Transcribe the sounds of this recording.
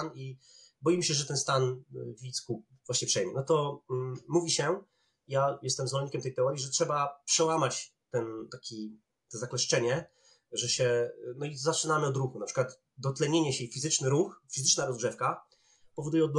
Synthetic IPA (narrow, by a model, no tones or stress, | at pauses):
ni | bɔjimɕɛʐɛt̪ɛnst̪anvʲisku | vwaɕɲɛpʂɛjmʲɛnɔt̪ɔ | muvʲiɕɛ | jajɛst̪ɛmzvɔlɲikʲɛmt̪ɛjt̪ɛɔɾjiʐɛtʂɛbapʂɛwamat͡ɕ | t̪ɛnt̪akʲi | t̪ɔzaklɛʂt͡ʂɛɲɛ | ʐɛɕɛnɔizat͡ʂɘnamɘɔd̪ɾuxunapʂɘ̥kwat̪ | d̪ɔt̪lɛɲeɲɛɕɛjfʲizɘt͡ʂnɘɾuxfʲizɘt͡ʂnaɾɔzɡʐɛfka | pɔvɔd̪ujɛɔd̪̚l